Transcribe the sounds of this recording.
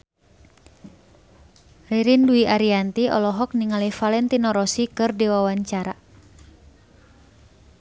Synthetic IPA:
riɾinduiʔaɾiant̪iɔ̰lɔɦɔk̚niŋalifalɛnt̪inɔɾɔsikɨrdiwawaɲt͡ʃaɾa

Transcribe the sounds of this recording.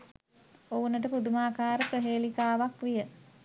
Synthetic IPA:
ounəʈ̬əpud̪umaːkaːɾəprəɦeːlikaːʋakʋijə

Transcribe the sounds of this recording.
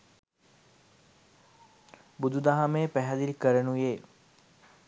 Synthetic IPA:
bud̪ud̪aɦameːpæɦæd̪ilkəɾənujeː

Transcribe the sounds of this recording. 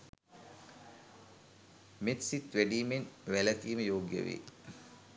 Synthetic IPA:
met̪sit̪ʋæɖiːmenʋælət̪iːməjoːɡjə̰ʋḛː

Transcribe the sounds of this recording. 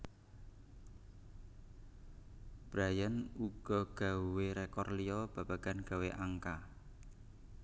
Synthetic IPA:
b̥ɾajanuɡ̥ɔɡ̥a̤weɾekɔrlijɔb̥a̤b̥aɡ̥anɡ̥a̤weʔaŋka

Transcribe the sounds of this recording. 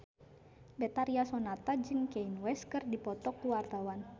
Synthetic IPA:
bɛt̪aɾiasɔnat̪ad͡ʒɨŋkɛinwɛskɨrdipɔt̪ɔkuwart̪awan

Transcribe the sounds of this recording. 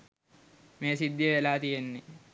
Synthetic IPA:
meːsid̪ːjəʋelaːt̪ijenːe

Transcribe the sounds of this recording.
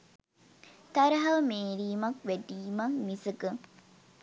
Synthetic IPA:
t̪ɐɾɐɦɐmeːɾiːmɐkʋæɖiːmɐŋmisəɡə

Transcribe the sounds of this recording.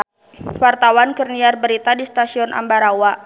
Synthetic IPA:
wart̪awankərniarbəɾit̪adist̪asiɔnʔa̰mbaɾawa

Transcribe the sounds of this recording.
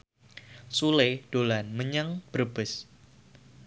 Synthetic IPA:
suled̥olanməɲəŋb̥ərb̥ɪs

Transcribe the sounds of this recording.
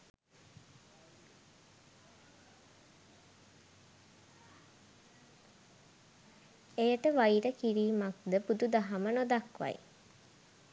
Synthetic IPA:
ejəʈəʋaiɾəkiɾiːmak̚d̪əbud̪ud̪aɦamənod̪akʋa̰j

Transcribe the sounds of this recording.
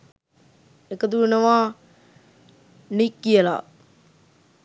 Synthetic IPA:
ekəd̪uənəʋaː | nikːijəla̰

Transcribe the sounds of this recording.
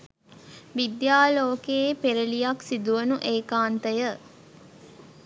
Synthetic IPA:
ʋid̪jaːloːkepeɾəlijaksid̪uʋənuʔeːkaːnt̪əjə

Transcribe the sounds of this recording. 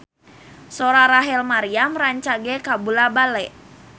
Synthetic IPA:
soɾaɾaɦɛlmaɾiamraɲt͡ʃaɡɛkabulabalɛʔ

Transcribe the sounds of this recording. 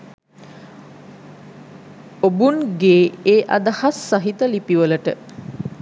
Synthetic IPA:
obunɡeːeːʔa̰d̪ahasːaɦit̪əlipiʋələʈə

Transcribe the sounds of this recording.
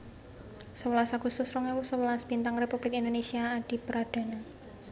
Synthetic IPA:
səwəlasaɡ̥ust̪ʊsrɔŋewusəwəlasb̥int̪aŋrepub̥lɪkind̪onesiaːɖ̪̥i̤pəɾad̪̥a̤na

